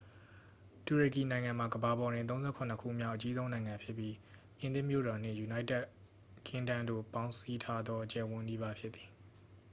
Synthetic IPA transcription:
tu˨ɹe˨ki˨nã˨ɪ̃ŋã˨m̥a˨ɡəba˨bɔ˨ɾɪ̃˨nt̪̬õ˦ʊ̃zɛ̰˦˨kʰʊ̃˨nə˦kʰṵ˦˨mja˦ʊʔət͡ɕi˦zõ˦ʊ̃nã˨ɪ̃ŋã˨mpʰjɪ˦pːji˦ | ʔɪ̃˨nd̪ɪ̃˦˨mjo̰˦˨ɾɔ˨n̥ɪ̰̃˦˨ju˨na˦ɪtɛ˦ʔ | kʰɪ̃˦ndã˦ndo̰˦˨pã˦ʊ̃si˦tʰa˦d̪ðɔ˦ʔət͡ɕɛ˨wʊ̃˦ni˦ba˦pʰjɪ˦t̪t̪ːi̥˨

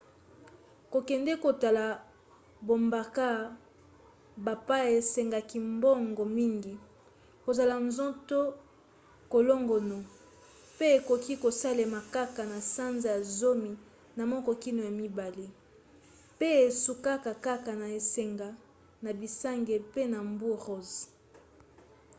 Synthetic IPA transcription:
ko˨kɛ˨ndɛ˦ko˨ta˨la˨ | bo˨mba˨ka˦ | ba˨pa˦ja˨e˨sɛ˨ŋɡa˨ki˨mbɔ˦ŋɡo˨mi˦ŋɡi˨ | ko˨za˨la˨nzɔ̃˦to˦ | ko˨lo˦ŋɡo˨no˨ | pe˦e˨ko˨ki˦ko˨sa˦le˨ma˨ka˦ka˨na˨sa˦nza˨ja˨zo˦mi˨ | na˨mɔ˦kɔ˦ki˦no˨ja˨mi˦ba˨le˦ | pe˦e˨su˨ka˦ka˨ka˦ka˨na˨e˨se˨ŋɡa˨ | na˨bi˨sa˦ŋɡe˨pe˦na˨mbu˦ʁo˦z

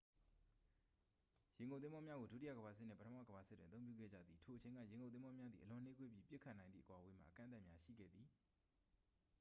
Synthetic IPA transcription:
jɪ̃˨ŋɡõ˨t̪ɪ̃˦bɔ˦mja˦ɡo˨du˦ti˦˨a̰˦˨ɡəba˨s̬ɪ˦ʔn̥ːɪ̰̃˦˨pətʰəma̰˦˨ɡəba˨sɪ˦twɪ̃˨t̪θõ˦ʊ̃mpjṵ˦˨ɡɛ̰˦˨d͡ʑä̰˦˨d̪ði˨tʰo˨ʔət͡ɕʰẽ˨ŋɡa̰˦˨jɪ̃˨ŋɡõ˨t̪ɪ̃˦mbɔ˦mja˦d̪ðḭ˨əlʊ̃˨n̥e˦kwe˦˨ji˦pjɪ˦ʔkʰːa˦˨nã˨ɪ̃nḭ˦˨ə̥˦kwa˨we˨˦˨m̥a̰˦˨ʔəkã̰˦˨nt̪̬a˦ʔmja˦ʃḭ˦˨ɡɛ̰˦˨d̪ði˨

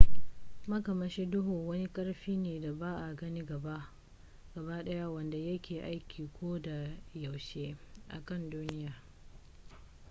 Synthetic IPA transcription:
mɐ˦kɐ˨mɐ˨ʃe˦dʊ˦ɦoː˨wɐ˦ni˦kʼɐ˦ɽɸiː˦neː˨da˨baː˦ʔa˨ɡɐ˦ni˦ɡɐ˨ba˦ | ɡ̥ɐ˨ba˦ɗɐ˦ja˦wɐ˨nda˨jɐ˦kʲʰeː˨ʔa˦jkʲiː˨kʷʰoː˦da˨ja˨wʃeː˦ʔa̰˨kɐ˦˨nduː˦nɪ˦jaː˨

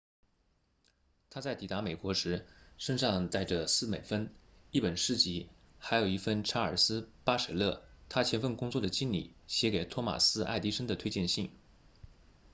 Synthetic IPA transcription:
t̪ʰa˥t͡sa˥˩ɪt̪i˨˩t̪a˧˥me˨˩ɪkwɔ˧˥ʂɻ̩˧˥ʂə˥nʂɑ˥˧ŋt̪a˥˩ɪʈ͡ʂə˩sɹ̩˥˩me˨˩ɪfə˥ni˥˩pə˨˩nʂɻ̩˥t͡ɕi˧˥ | xa˧˥ɪjo˨˩ʊi˥˩fə˥˧nʈ͡ʂʰa˥ə̰˞˨˩sɹ̩˥pa˥ʂə˧˩lɤ˥˩t̪ʰa˥t͡ɕʰjɛ˧˥nfə˥˩nkʊ˥ŋt͡swɔ˥˩d̪ə˩t͡ɕi˥nlḭ˨˩˦ɕjɛ˧˥ke˨˩ɪt̪ʰwɔ˥ma̰˨˩sɹ̩˥a̰˥˩ɪt̪i˥ʂə˥ŋd̪ə˨t̪ʰwe˥t͡ɕjɛ˥˧nɕi˥˩ŋ

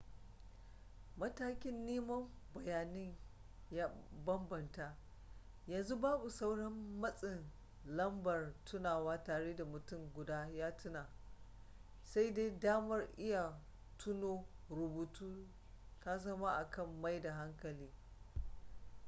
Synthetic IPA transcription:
mɐ˦taː˦kʲɪ˦nːeː˦mɐ˦m | bɐ˨jaː˨nɪ˦ɲ | jaː˦bɐ˦mbɐ˨nta˦ʔ | jɐ˨nzu˦baː˦bu˨sa˦wɽɐ˦mːɐ˦sʼɪ˨n | lɐ˦mbɐ˨rtʰʊ˦naː˨waː˦taː˨ɽeː˦da˨mʊ˨tʊ˦˨mɡʷʊ˨daː˦jaː˦tʰʊ˦naː˨ | sa˦jde˦daː˦mɐ˦rʔɪ˦ja˨ | tʰʊ˦noː˦ɾʊ˨buː˨tuː˦ | ta˦zɐ˦ma˦ʔa˨kʰɐ˦˨mːa˦jda˨ɦa˦ŋkɐ˨liː˦

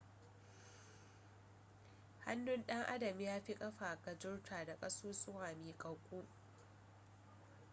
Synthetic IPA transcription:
ha̰˦nːʊ˦nɗɐ˦ŋʔa̰˦dɐ˨m˦jaː˦ɸi˦kʼɐ˦ɸaː˨kɐ˨d͡ʒʊ˦ɽtʰaː˨da˨kʼɐ˦suː˦sʼʊ˦waː˨miː˨kʼɐ˨wkʷʼuː˦

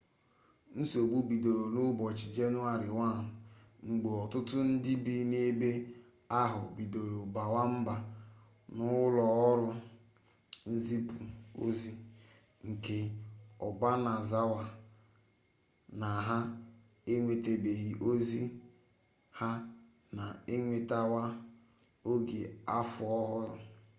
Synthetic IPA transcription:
n̩˦so˨ɡ͡bu˦bi˨do˨ɾo˨nʊ˦bɔ˨t͡ʃi˨d͡ʒe˦nʊ˦a˦ɾɪ˨wa˦˨ŋ͡m̩˨ɡ͡bo˨ɔ˨tʊ˦tʊ˦n̩˦dɪ˦bi˦ne˦be˦ | a˦ɦʊ˨bi˨do˨ɾo˨ba˨wa˦m̩˦ba˨ | nʊ˦lɔ˨ɔ˦ɾʊ˦ | n̩˦zi˦pu˨o̰˦zi˦ | ŋ̩˨ke˨ɔ˨ɡ͡ba˦na˨za˦wa˨ | na˨ɦa˦ | e˦ŋʷe˨te˨be˨ɣi˨ʔo˦zi˦ | ha˦ | na˨e˦ŋʷe˨ta˦wa˦ | o˦ɡe˨a˦fʊ˨ɔ˦ɦʊ˦ɾʊ˨

